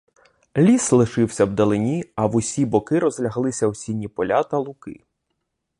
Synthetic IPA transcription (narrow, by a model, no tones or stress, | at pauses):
lʲislˠɪʃɪwsʲɐwd̪ɐlˠɪnʲiɐwʊsʲibɔkɪɾɔzlʲɐɦlˠɪsʲɐwsʲinʲipɔlʲat̪ɐlˠʊkɪ̰